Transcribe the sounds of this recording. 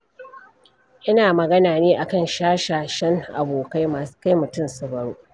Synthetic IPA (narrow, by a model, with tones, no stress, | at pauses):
ʔɪ˦naː˨mɐ˨ɡɐ˦naː˨neː˦ʔa˨kɐ˦˨nʃaː˦ʃaː˨ʃɐ˦ŋʔa̰˨boː˨ka˦jmaː˨su̥˦ka˦jmʊ˨tʊ˦msʊ˨bɐ˨ɽoː˦